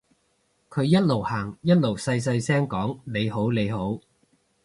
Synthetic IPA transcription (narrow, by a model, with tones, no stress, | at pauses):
kʰɵ˨˧ɥjɐ˥t̚lo˨˩whaː˨˩ŋjɐ˥t̚lo˨˩wsɐ˧js̬ɐ˧jsɛː˥ŋkɔː˨˥ŋle˨˧jɦo˨˥wle˨˧jɦo˨˥w